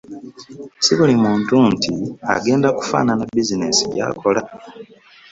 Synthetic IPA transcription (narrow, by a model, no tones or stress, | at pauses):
siβulimuːntuntia̰ɡe̞ːndaku̥fa̰ːnanabizinesilja̰kʰo̞la